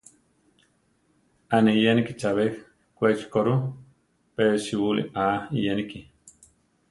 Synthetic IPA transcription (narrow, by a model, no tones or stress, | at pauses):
anejanikit͡ʃaβek | kʷet͡ʃkoɾu | peɾʃiwulḭaijaniki